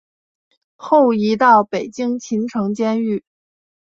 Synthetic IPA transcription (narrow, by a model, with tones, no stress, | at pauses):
xo˥˩ʊi˧˥t̪ɑ˥˩ʊpe˨˩ɪt͡ɕi˥ŋt͡ɕʰi˧˥nʈ͡ʂʰɤ˧˥ŋt͡ɕjɛ˥ny˥˩